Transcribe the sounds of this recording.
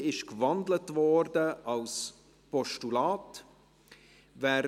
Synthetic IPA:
ɪʃkvɑndlətvɔɾdəɑls | pɔʃtulaːt | væːɾ

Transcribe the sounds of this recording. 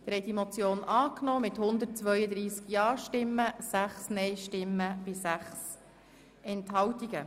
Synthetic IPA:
t̪ɾɛd̥̪imot͡sjoːnɑːknoːmɪthʊnd̪ərt̚t͡sʋœʏəd̪ɾiːskjɑːɾʃtɪmːəsæχsnɛɪʃtɪmːəb̥ɪsæχs | ɛnthɑwtiɡə

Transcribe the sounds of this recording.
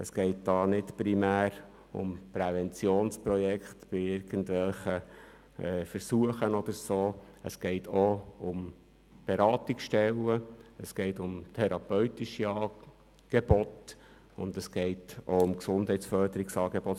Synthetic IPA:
əsɡ̥ɛɪt̚d̥̪ɑːnɪtpɾimæːɾ | ʊ̰mpɾɛvɛnt͡sjoːnspɾɔjɛkχt̪b̥ɪɪɾɡ̥ən̩tʋɛlχə | ɛːfəɾsuəχənɔd̪əɾsoː | əsɡ̥ɛɪtʰoʊm | b̥eɾɑːt̪ɪksʃtɛlːəəsɡ̥eɪtʊmt̪ʰɛɾɑpœʏt̪ɪʃiɑː | ɡ̥eb̥ɔt̪ | ʊnd̪əsɡ̥eɪtoʊmksʊndhɛɪtt͡sfœɾd̪əɾɪksɑːɡebɔt

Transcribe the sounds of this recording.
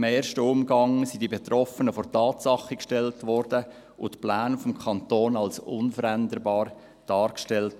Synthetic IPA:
mɛːɾʃtəʊmɡɑŋsid̥ibetrɔfənəfɔɾtɑːtsɑχikʃtɛltʋɔɾdə | ʔʊtplaːnfɔmkʰɑntoːnɑlsʊnfəɾændərbɑːɾ | d̥ɑːɾkʃtɛlt

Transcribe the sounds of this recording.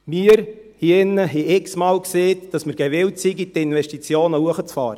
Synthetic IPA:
miːəɾ | hiːɪnːəɦɛɪksmɑːlkseːtd̥ɑsməɾɡ̥ɛʋɪwtsiɡit̪ɪnʋɛʃtit͡sjoːnəuəχət͡sfɑ̰ːɾə

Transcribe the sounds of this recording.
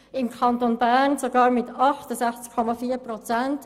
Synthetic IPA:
ɪmkʰɑntonbæʁnsoɡɑːɾmɪtɑχtəsæχt͡skʰːɔmɑfiːɾprɔt͡sɛnt

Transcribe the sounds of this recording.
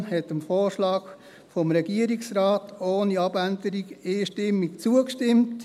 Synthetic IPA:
hɛtəmfoːʃlɑːɡ̥ | fɔmɾɛɡiəɾiksɾɑːtʰoːniɑb̥ændəɾiɡɪːʃtɪmːikt͡suəkʃtɪmt

